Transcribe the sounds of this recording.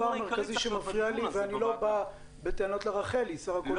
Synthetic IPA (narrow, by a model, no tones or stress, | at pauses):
ameʁkaziʃemafʁialiveanilo̞ba | beteano̞tleʁaχe̞lisaʁako